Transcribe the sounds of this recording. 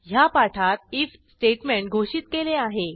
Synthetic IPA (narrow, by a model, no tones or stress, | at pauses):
ɦjapaʈʰat̪̚iːf | sʈeʈmẽɳʈ̚ɡʱoɕit̪keleaɦe